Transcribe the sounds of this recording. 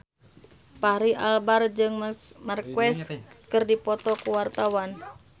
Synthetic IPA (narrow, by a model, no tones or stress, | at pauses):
paɾiʔalbard͡ʒɨŋmarkwɛskɨrdipɔt̪ɔkuwart̪awan